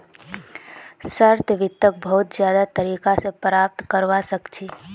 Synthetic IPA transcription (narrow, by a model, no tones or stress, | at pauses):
səɾt̪ʋɪt̪ːək̚bɐɦʊt̪zjaːd̪at̪ɐɾiːkasepɾaːp̚t̪kəɾʋasɐkt͡ʃʰiː